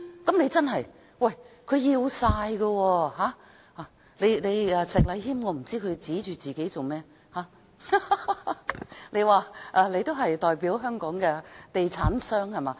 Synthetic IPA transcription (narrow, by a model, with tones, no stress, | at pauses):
kɐ˨˥mne˨˧jt͡sɐ˥nɦɐ˨j | wɐ˨˩jkʰɵ˨˧ɥjiː˧wsaː˧jɡɐ˧wɔː˧haː˨˥ | haː˨˩ | le˨˧jnle˨˧jɛː˨˧sɪ˨k̚lɐ˨˧jhiː˥mŋɔː˧m̩˨˩t͡siː˥kʰɵ˨˧ɥt͡siː˨˥t͡ʃyː˨t͡siː˨ke˨˥jt͡so˨wmɛː˥ | haː˨˥ | ne˨˧jwaː˨˩ʔɛː˨˧le˨˧jt̪o˥wɦɐ˨jt̪ɔː˨jpiː˨˥wɦœː˥ŋkɔː˨˥ŋkɛː˧t̪e˨jt͡sʰaː˨˥nsœː˥ŋhɐ˨jmaː˨˧˦